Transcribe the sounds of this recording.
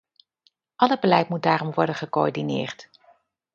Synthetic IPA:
ʔɑləbəlɛjtmut̚daːɾɔmʋɔɹdənχəkoɔ̰ɹdinɪ̰ːɹt

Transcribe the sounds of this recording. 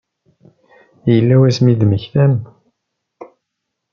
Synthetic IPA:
jəlːæwæsmiðməçθæm

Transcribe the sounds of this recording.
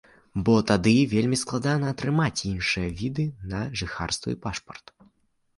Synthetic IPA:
bɔt̪ad̪ɨvʲelʲmʲisklˠad̪anɐːt̪ɾɨmat͡sʲinʂɨjɐvʲid̪ɨnɐʐɨxa̰rst̪vɨ̰ipaʂpɐrt̪

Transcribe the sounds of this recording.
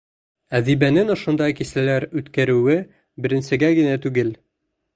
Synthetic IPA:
æðibænɘnŏʃŏnd̪ɑjkisælæɾʉt̪kæɾʉwɘ | bɘ̆ɾɘ̆nsɘ̆ɡæɡɘ̆næt̪ʉɡɘl

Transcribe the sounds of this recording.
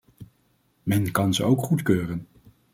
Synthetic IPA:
mɛnkɑnzəowkχutkøːrən

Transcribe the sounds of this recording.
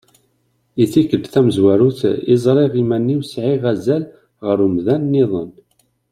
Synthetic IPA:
iθikədθæməzwæɾuθizˤɾˤeʁimænːiwsʕiʁæzæl | ʁəɾumðænːiðˤən

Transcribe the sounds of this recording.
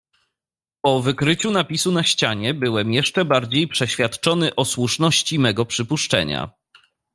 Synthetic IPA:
pɔvɘkɾɘt͡ɕunapʲisunaɕt͡ɕaɲɛbɘwɛmjɛʂt͡ʂɛbaɾd͡ʑejpʂɛɕfʲjat̪t͡ʂɔnɘʔɔswuʂnɔɕt͡ɕimɛɡɔpʂɘpuʂt͡ʂɛ̰ɲa̰

